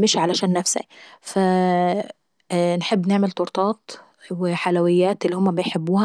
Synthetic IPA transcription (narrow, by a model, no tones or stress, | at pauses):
mɪʃʕalæʃæːnːæfsa̰fa | nħebːnɪʕmɪlt̪oɾt̪ˤɑːt̪ | wɪħalawɪjːæːt̪ʔɪlːihʊmːæbɪjħebːuːhæ